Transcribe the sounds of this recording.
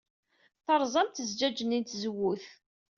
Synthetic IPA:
θəɾˤzˤɑmt̪əzd͡ʒæd͡ʒənint̪zəwːuθ

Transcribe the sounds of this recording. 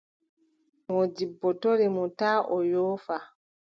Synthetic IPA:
mɔd͡ʒibːɔtoɾimutaːʔɔjoːfa

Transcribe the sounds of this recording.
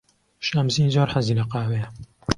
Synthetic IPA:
ʃamziːnzoːɾħaziːlɐqaːwejɛ

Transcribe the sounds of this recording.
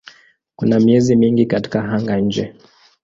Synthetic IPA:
kunamiɛzimiŋɡikati̥kaɦaŋɡaɲ̩d͡ʒɛ̰

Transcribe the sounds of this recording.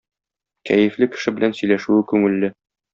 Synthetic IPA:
kæjɘ̆flɘkɘ̥̆ʃɘbɘ̆lænsɵ̆jlæʃʉɘkʉŋɘ̆lːɘ

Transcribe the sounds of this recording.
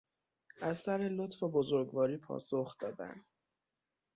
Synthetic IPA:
ʔæzsæɾelot̪febozoɾɡvɒːɾiːpʰɒ̰ːsoxd̪̥ɒːd̪æ̰nd̪̥

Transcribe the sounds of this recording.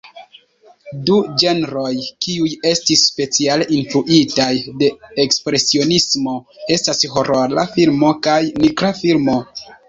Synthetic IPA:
dud͡ʒe̞nɾo̞jkiuje̞stisːpe̞t͡sialeʔinfɾuʔitajde̞ekspɾe̞sio̞nismo̞e̞stasho̞ɾolafilmo̞kajnikɾafilmo̞

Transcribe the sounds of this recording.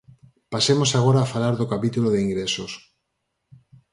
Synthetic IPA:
pasemosaɣ̞oɾaːfalaɾðokapit̪uloðeiŋɡɾesos

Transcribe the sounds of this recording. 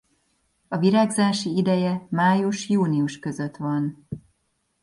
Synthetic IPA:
ɒviɾaːɡzaːʃiid̪ɛjɛmaːjuʃjuːniuʃkø̞zø̞t̪ʋɒn

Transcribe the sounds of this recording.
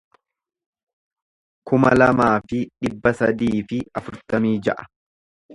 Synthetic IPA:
kʊmɐ̰lɐmaːfɪᶑɪbːɐsɐd̪iːfɪɐfʊɾt̪ɐmiːd͡ʒɐʔɐ̥

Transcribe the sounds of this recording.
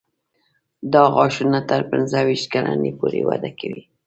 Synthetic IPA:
d̪ɑɣɑʃunat̪əɾpɪnzəwiʃt̪kalanepoɾewad̪akawi

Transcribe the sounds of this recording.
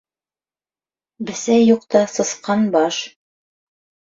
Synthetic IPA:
bɘ̆sæjuqt̪ɑsɤ̆sqɑnbɑʃ

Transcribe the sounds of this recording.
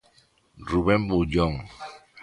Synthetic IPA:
ɾubɛmbud͡ʒɔŋ

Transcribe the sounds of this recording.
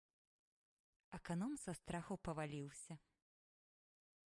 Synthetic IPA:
ɛkanɔmsɐst̪ɾaxɐwpɐvalʲiwsʲɐ

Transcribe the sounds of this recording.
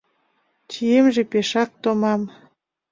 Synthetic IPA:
t͡ɕijemʒepeʃɑk̚t̪omɑm

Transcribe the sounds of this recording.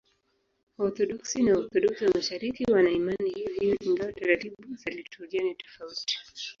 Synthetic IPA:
ɔɾθɔɗɔksinaɔθɔɗɔksiwamaʃaɾikiwanaimanihiviʔiŋɡawɔtaɾatiɓuzalitʰɔɾianitɔ̥fauti̥

